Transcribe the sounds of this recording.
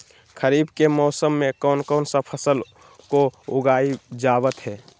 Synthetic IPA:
kʰəɾiːbkemɔːsəmːẽkɔːnkɔːnsəpʰəsəl | koʊɡaːid͡ʒaːwət̪ɦɛː

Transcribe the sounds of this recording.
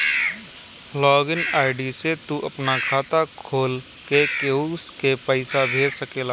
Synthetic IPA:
lɔːɡɪnaːɪɖiset̪uʔɐpnakʰaːt̪akʰoːl | kekeuskepəɪsabʱeːɾsəkela

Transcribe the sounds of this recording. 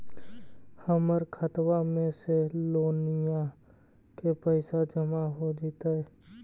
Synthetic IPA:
həməɾkʰət̪wamẽseloːnɪja | kepəɪsad͡ʒəmaɦod͡ʒit̪aɛ

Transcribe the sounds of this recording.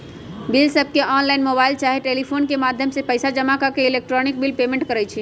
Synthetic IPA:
bilsəb̚ʱkeʔɔnlaɪnmobaɪlt͡ʃaɦiʈelipʰonkemad̪ʱjəmsepəjsad͡ʒəmakəkeilek̚ʈɾɔnik̚bilpemẽɳʈ̚kəɾɛjt͡ʃʰi

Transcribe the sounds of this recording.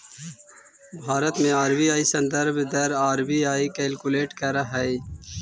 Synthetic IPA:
bʱaːɾət̪mẽaːɾbiaːisɐ̃nd̪əɾbd̪ɐɾaːɾbiːaːikeːlkʊleːʈkɐɾaɦɛe

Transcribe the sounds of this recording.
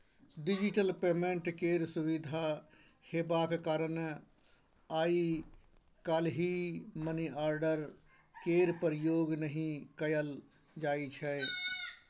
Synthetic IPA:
ɖid͡ʒiʈəlpeːmẽɳʈkeːɾsuʋid̪ʱa | heːbakekaːɾən | aːi | kaːlɦiməniaːɾɖəɾ | keːɾpəɾjoːɡnəɦĩkəjəl | d͡ʒaːit͡ʃʰɛ

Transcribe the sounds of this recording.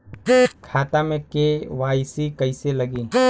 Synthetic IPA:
kʰaːt̪amẽkeʋaːsikəɪseləɡiː

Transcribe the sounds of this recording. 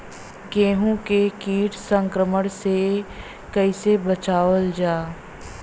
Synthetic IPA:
ɡẽːɦũkekiːʈsə̃ŋkɾəməɽ̃se | kəɪsebət͡ʃaːʋəld͡ʒaː

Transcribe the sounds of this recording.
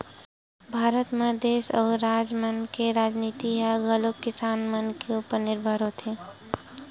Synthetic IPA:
bʱaːɾət̪mẽd̪eːsɔːɾaːd͡ʒmənkeɾaːd͡ʒniːt̪iɦaɡəlokɪsaːnmənkeupəɾnɪɾbʱəɾɦot̪ʰẽ

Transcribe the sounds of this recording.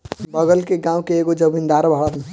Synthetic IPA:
bəɡəlkeɡãũkeːɡod͡ʒəbʱind̪aɾbʱaɽət̪n

